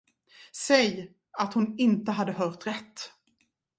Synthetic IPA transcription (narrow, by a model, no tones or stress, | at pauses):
sɛj | at̪hʊnɪnt̪əɦad̪ːəɦœːʈ̪ɾɛt̪ː